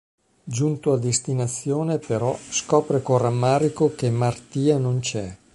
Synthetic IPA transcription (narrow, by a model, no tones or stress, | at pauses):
d͡ʒunt̪oad̪est̪inat̪sːjoːnepeɾɔskɔːpɾekoramːaːɾikokemart̪iːanont͡ʃɛ